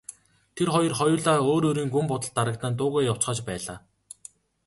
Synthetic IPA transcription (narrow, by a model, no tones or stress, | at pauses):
t̪ʰerχɔjɞ̆rχɔjʊːɮaːoːɾoːɾiːŋɡumpʊt̪ə̆ɮt̪ːaɾə̆kt̪ə̆nt̪ʊːɣæːjaw̥t͡sχaːt͡ɕpæːɮaː